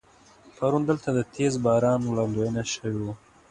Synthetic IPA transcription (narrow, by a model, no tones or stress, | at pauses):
pʰaɾund̪əlt̪ad̪ət̪ʰezbɑɾɑːnwlɑnd̪ojənaʃəwiwu